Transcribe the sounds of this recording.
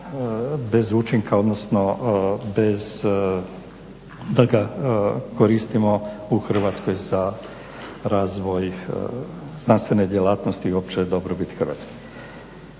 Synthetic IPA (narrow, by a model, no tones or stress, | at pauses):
bezuːt͡ʃiŋkao̞d̪nosnobez | d̪lɡakoɾist̪imouxr̩ʋaːt̪skojza | ɾaːzʋoj | znanst̪ʋenɛd̪jelaːt̪nost̪iop̚t͡ʃɛd̪obɾɔbit̪xr̩ʋa̰ːt̪ski̥